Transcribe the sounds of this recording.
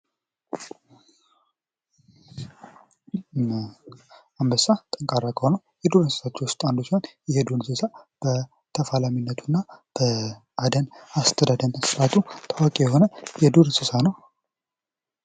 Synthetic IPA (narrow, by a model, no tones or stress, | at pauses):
ambəsat̪ʼəŋkʼaɾːakʰʼəhonəwjɛd̪uɾsɨ̥sat͡ʃːɛwʊst̪ʼand̪usiho̞njɛhed̪unsɨsab̥ə | t̪ʰəfalaminːət̪ʰunːab̥ə | ad̪ənast̪ʰəd̪ad̪ənsɨɾat̪ʰut̪ʰawakʼijɛɦo̞nəjɛd̪uɾsɨsanəw